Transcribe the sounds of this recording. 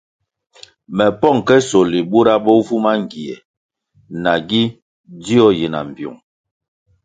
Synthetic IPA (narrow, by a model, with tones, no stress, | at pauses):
mɛ˨pɔ˦˨ŋkɛ˦so˨li˨bu˦ɾa˦bɔ˦vu˦ma˦ŋ˨ɡi˨ɛ̰˨ | na˨ɡi˦ | di˦ɔ˦ji˨na̰˨m̩˨bjṵ˨ŋ